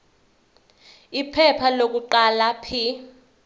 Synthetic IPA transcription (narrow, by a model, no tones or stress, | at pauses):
ipʰɛpʰalok̬ʼuǃalapʰi